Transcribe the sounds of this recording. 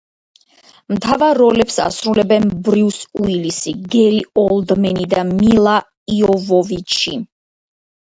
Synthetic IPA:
mt̪ʰavaɾːɔlɛpsa̰sɾulɛbɛnbɾisuilisiɡɛɾiɔlˠd̪mɛnid̪amilˠa | iɔvɔvit͡ʃʰi

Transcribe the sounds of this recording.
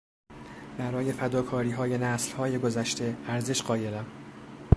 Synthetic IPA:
b̥æɾɒːje̞fæd̪ɒːkʰɒːɾiːɦɒːje̞næːslhɒːje̞ɡo̞zæʃt̪e̞æɾzeʃɢ̥ɒːje̞ɾæm

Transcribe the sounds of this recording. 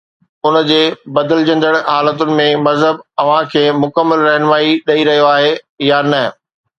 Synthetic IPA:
ʊnə̆d͡ʑeːbɐd̪əld͡ʑɐ̃nd̪əɽ̃aːlət̪ʊnɪ̆mẽmɐzɦəbɐʋ̤ãkʰeːmʊkəmːəlɾɐɦɪnʋaːiɗɐiɾɐɦijoaːɦe | janɐ

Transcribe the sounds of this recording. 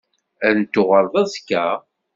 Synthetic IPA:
æɾnt̪ːʊʁəɾˤðˤɑskːæ

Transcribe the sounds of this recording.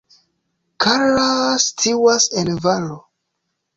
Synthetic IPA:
kʰaɾlastʰiwasenvalo

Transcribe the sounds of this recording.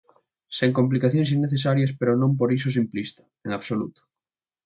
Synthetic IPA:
seŋkomplikaθjõŋs̬inːeθesaɾjɐspeɾʊnõmp̬oɾis̬ʊsimplist̪ɐ̥ | eŋaβsolṵt̪o̥

